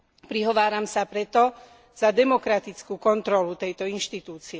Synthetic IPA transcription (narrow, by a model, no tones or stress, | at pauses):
pɾiɦɔʋaːɾamsapɾɛt̪ɔ | z̥ad̪ɛmɔkɾat̪it͡skuːkɔnt̪ɾɔlut̪ɛjt̪ɔinʃt̪it̪uːt͡siɛ